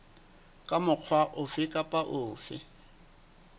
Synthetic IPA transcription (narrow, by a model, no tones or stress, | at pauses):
kʼamʊq͡χʰwaʔʊfɪkʼapʼaʔʊːfɪ